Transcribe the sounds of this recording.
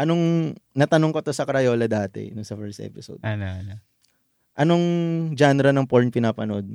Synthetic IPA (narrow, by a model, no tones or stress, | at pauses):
ʔɐnoŋnɐt̪ɐnoŋkot̪osɐkɐɾɐjo̞ːlɐd̪aːt̪ɛ̰nʊnsɐfɛɹst̪ʔɛ̰pɪso̰wd̪anɐɐnɐ | ʔɐnoŋd͡ʒanɾɐnɐŋpoɹnpɪnaːpɐnʔod̪̚